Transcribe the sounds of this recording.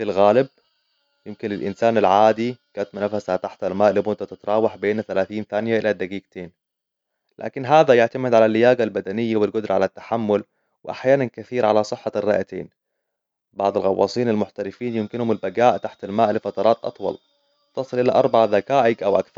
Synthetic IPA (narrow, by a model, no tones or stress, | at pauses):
filɣaːlɪb̚ | jɪmkɪnɪlʔɪ̰nsaːnalʕaːd̪iɡaːt̪mʊnafashat̪aħt̪almaːʔlːiːmʊnt̪at̪ɪt̪ɾˤɑːwaħbeːnaθalaːθiːnθaːnɪjaʔɪlad̪ːaɡiːɡ̚t̪eːn | lʔa̰ːkɪnɦaːðajʊʕt̪amɪd̪ʕalalːɪjaːɡalbad̪anɪjːawɪlɡʊd̪ɾʕalat̪ːḁħamːʊl | wɪʔa̰ħjaːnankaθiːɾʕalasˤɨħːarːɑ̰ʔat̪ḛːn | bɑʕd̪ˤɑlɣɑ̰wːɑ̰ːsˤiːnalmʊħt̪aɾɪfiːnjɪmkɪnhʊmɪlbaɡaːʔt̪aħt̪almaːʔlɪfɑt̪ɑɾˤɑːt̪ʔɑ̰t̪ˤwɑ̰l | t̪ɑsˤɨlʔɪlaʔɑɾˤbaʕaðakaːʔɪɡʔawʔa̰kθɑɾˤ